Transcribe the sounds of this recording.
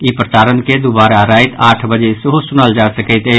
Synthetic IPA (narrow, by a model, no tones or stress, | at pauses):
ipɾətaːɾənked̪ʊbaːɾaɾaːɪt̪ʰaːʈʰbɐd͡ʒeseɦosʊnəld͡ʒaːsɐkɛt̪eː